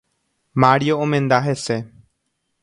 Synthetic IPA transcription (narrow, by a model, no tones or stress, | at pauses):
maɾjoomẽnd̪aɦese